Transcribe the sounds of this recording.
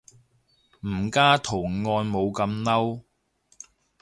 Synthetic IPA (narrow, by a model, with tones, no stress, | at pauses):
m̩˨˩kaː˥t̪ʰʊ˨˩ŋŋɔː˧nmo˨˧wkɐ˧mnɐ˥w